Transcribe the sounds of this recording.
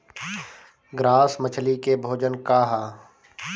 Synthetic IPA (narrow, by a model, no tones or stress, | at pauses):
ɡɾaːsmət͡ʃʰlikebʱoːd͡ʒənkaːɦaː